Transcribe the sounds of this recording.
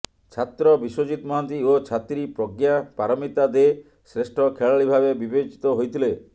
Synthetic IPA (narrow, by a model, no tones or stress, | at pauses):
t͡ʃʰat̪ɾɔbiswod͡ʒit̪mɔɦant̪iot͡ʃʰat̪ɾipɾɔɡjapaɾɔmit̪ad̪e | sɾesʈʰɔkʰeɭaɭibʱabebibet͡ʃi̥t̪ɔɦojt̪ʰile